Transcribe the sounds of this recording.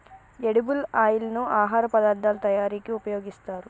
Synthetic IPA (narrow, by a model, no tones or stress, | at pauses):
eɽibulaːjilɐnuaːɦaːɾɐpɐd̪aːɾd̪aːlɐt̪ɐjaːɾiːkiupɐjo̞ːɡist̪aːɾu